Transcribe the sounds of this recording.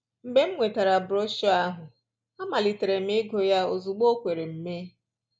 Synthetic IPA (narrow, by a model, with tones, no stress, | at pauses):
m̩˨be˦m̩˦ŋʷe˨ta˨ɾa˨bʊ˨ɾo˦ʃɔ˦a˦ɦʊ˨ | a˦ma˨li˨te˨ɾe˨m̩˦e˦ɡo˨ja˦o˨zu˨ɡ͡bo˦kʷe˨ɾe˨m̩˨me˦